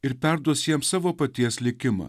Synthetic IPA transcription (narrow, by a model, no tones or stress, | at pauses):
ɪɾpʲɛɾd̪uɔsjiɛmsɑːʋoːpɐt̪ʲiɛslʲɪkʲɪmɑ̰ː